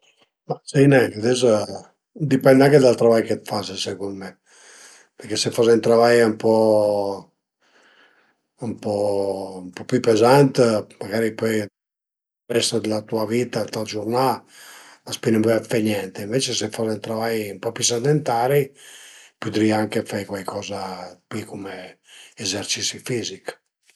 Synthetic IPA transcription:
masijnɛkad̪ɛso | d̪ipɛnd̪eaŋked̪alt̪ɾovajket̪fasesekond̪me | peɾkesefos̬ent̪ɾavajaumpɔ | umpɔmpɔpjupezant̪maɡaːɾipɔj | pɛst̪od̪elat̪uaviːt̪at̪ald͡ʒurna | laspinamvfajnjɛnt̪eiɱvet͡ʃesefɔsent̪ɾavajumpɔpjusad̪ent̪aːɾi | pud̪ɾiaŋkefajkwajkʰɔːzapikomeː | zert͡ʃisifiːzik

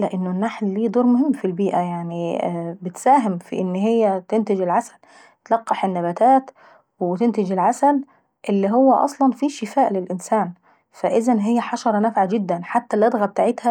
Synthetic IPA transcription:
læʔɪnːonːaħlːiːd̪ˤuːɾˤmʊhɪmːfilbiːʔæjaʕnibɪt̪sæːɦɪmfḭʔɪnːɦejːæt̪ent̪ed͡ʒelʕasæ̥l | t̪lɑqːɑħenːæbæt̪æːt̪ | wet̪ent̪ɪd͡ʒelʕasæl | ʔelːiɦowːæʔɑ̰sˤlɑnfiːʃɪfæːʔlelʔɪnsæːn | fæʔɪzænɦɪjːæħɑʃɑɾˤɑnæfʕad͡ʒɪd̪ːænħat̪ːæled̪ɣæb̚t̪aʕet̪hæ

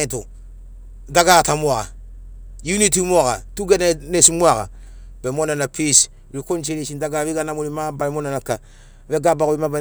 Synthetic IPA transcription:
tu | daɡaːtamuaka̰ | junitimuakatuɡɛnenesimuaka̰b̥ɛmonanapis | ɾikont͡ʃelisindaɡaːwiɡanamunimabaɾimonanaka | βɛɡabakubimaba

